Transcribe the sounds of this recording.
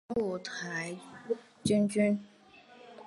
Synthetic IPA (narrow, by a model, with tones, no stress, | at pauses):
wu˨˩t̪ʰa˨˥ɪ˥ | t͡ɕy˥nt͡ɕy˥n